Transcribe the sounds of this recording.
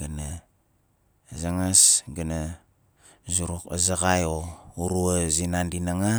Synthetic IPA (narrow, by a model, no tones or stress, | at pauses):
ɡana | zaŋasɡana | zuɾuka̰zaɣajouɾuazinandinaŋa